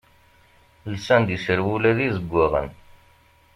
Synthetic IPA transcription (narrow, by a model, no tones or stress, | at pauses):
lsænd̪isəɾwulæðizəɡʷːaʁə̰n